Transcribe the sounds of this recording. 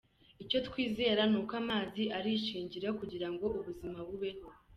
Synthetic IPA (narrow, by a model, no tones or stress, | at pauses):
ico̞tkwiːze̞ːɾanuːkamaːziʔaɾiʃiːɲɟiɾakuɟiɾaŋɡo̞ʔuβuzimaβuβe̞ho̞